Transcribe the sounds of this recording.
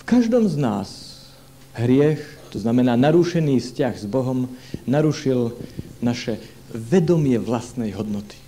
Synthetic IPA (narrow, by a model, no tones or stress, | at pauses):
fkaʒd̪ɔmznaːs | ɦɾɪɛxt̪ɔznamɛnaːnaɾuːʃɛniːfscaɣzbɔɦɔmnaɾuʃilnaʃɛ | ʋɛd̪ɔmɪɛʋlast̪nɛjɦɔd̪nɔt̪i̥